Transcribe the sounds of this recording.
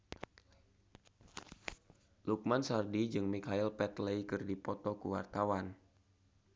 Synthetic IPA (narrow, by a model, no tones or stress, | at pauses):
luk̚mansardid͡ʒɨŋmikailpɛt̪leikɨrdipɔt̪ɔkuwa̰rt̪awan